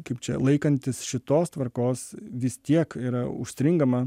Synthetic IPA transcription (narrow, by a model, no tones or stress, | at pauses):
kɐɪpt͡ʃʲɛlˠɐɪkɐnʲt̪ʲɪsʃʲɪt̪oːst̪ʋɐɾkoːsʋʲɪst̪ʲiɛkiːɾɐʊʃʲsʲɾʲɪŋɡɐmɐ